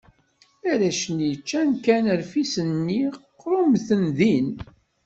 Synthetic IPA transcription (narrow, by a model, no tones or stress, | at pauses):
æɾæʃənit͡ʃːænkænəɾfisənːiqːɾumθənðin